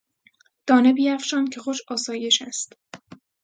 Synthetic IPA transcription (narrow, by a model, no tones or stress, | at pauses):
d̪̥ɒːne̞biːjæfʃɒːncʰe̞xoʃɒːsɒːje̞ʃæst̪